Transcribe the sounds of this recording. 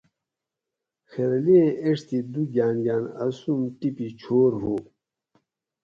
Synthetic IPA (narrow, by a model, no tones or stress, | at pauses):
xeɾleeʂt̪id̪uɡaːnɡaːnɐsumʈipit͡ɕʰoːɾɦo